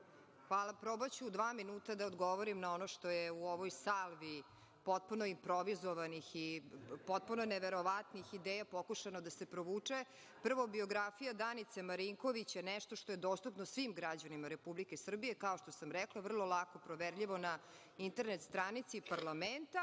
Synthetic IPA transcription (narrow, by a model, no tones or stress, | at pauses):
xʋaːlˠapɾobat͡ɕud̪ʋaːminuːt̪ad̪aod̪ɡoʋoɾimnao̞noʃt̪o̞jeuoʋojsalˠʋi | po̞t̪̚puno̞impɾo̞ʋizoʋanixipo̞t̪̚punoneʋeɾo̞ʋat̪nixid̪eːjapokuʃanod̪asepɾoʋuːt͡ʂe | pr̩ʋobio̞ɡɾafijad̪anit̪semaɾiŋko̞ʋit͡ɕenɛʃt̪o̞ʃt̪oje̞d̪oːst̪upnosʋimɡɾad͡ʑanimaɾepublikesr̩bijekaoʃt̪o̞samɾɛklˠaʋr̩lˠo̞lˠako̞pɾoʋeɾʎiʋo̞na | int̪eɾnet̪st̪ɾanit̪siːpaɾlament̪a